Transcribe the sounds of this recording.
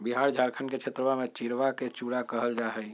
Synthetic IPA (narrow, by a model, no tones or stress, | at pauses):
biɦaɾd͡ʒʱaɾkʰənket͡ʃʰet̪ɾəmamet͡ʃiɾʋaket͡ʃuɽakəɦəld͡ʒaɦɛj